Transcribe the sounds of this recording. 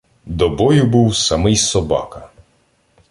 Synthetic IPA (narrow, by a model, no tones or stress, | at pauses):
d̪ɔbɔjʊbuwsɐmɪjsɔbɑ̰kɐ